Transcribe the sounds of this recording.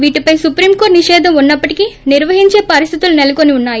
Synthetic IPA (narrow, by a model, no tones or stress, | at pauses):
ʋiːʈipɐjsupɾiːmkoːɾʈniʂɛːd̪ʱɐmunːɐpːɐʈikiniɾʋɐɦiɲt͡ʃe̞ːpɐɾist̪ʰit̪ulunelɐkoniunːaːji